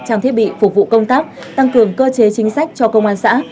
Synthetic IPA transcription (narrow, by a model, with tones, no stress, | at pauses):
t͡ɕaː˧ŋt̪ʰi˦˥ət̚ɓḭ˧˨fu˨˩p̚vṵ˧˨kə˧wŋ͡mt̪aː˦˥k̚ | t̪a˧ŋkɨ˨˩əŋkəː˧t͡ɕe˨˦t͡ɕï˨˦ŋ̟sa˦˥jk̟̚t͡ɕɔ˧kə˧wŋ͡mʔaː˧nsa̰ː˧˥